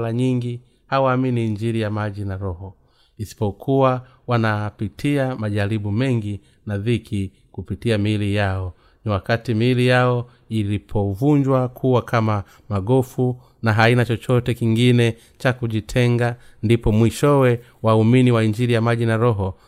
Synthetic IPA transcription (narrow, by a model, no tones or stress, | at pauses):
laɲiŋɡi | hawaːminiːɲd͡ʒiɾijamaʄinaɾɔhɔ | isi̥pɔkʰuwa | wanapitʰiamaʄalibumɛŋɡi | naðikʰi | kupitiamilijaɔ | niwakatimilijaɔ | ilipʰɔvuɲd͡ʒwakʰuwakʰama | maɡɔfu | naɦainat͡ʃɔt͡ʃɔtɛkiŋɡinɛ | t͡ʃakuʄitʰɛŋɡandipɔmwiʃɔwɛ | wauminiwaiɲd͡ʒiɾijamaʄinaɾɔɦɔ